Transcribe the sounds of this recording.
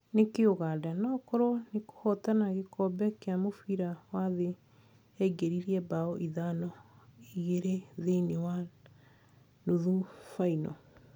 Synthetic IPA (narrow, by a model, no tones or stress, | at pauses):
nekeoɣadanakɔɾɔneko̥hɔtanaɣekɔbɛkeamofiɾawaðe | ɛɡeɾiɾiɛbaɔʔiðanɔiɣeɾeðenewa | noðufainɔ̰